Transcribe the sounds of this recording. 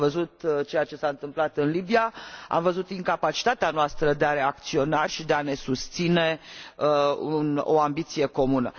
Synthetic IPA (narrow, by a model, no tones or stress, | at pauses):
vəzut̪t͡ʃejat͡ʃe̞saɨnt̪ɨmplat̪ɨnlibijaa̰mvəzut̪iŋkapat͡ʃi̥t̪at̪eanoast̪ɾəd̪eaɾe̞ak̚t̪sio̞naʃʲid̪eane̞sust̪sine̞ | uno̰ambit̪sije̞ko̞munə̰